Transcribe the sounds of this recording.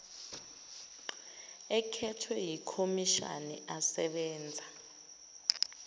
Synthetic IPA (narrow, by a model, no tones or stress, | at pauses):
ɛkʰɛtʰwɛjikʰomiʃa̰nɛ̰asɛɓɛːnd͡zʱa